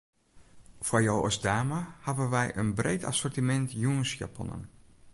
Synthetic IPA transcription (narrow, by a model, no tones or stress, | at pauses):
fajowɔ̰sdaːməhavənʋɛjʔənbrejtʰa̰sɔrtimɛntjuənsja̰pʰɔ̰nə̰n